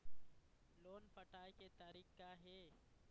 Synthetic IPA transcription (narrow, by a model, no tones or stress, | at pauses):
loːnfɐʈaːjket̪aːɾiːkkaɦɛː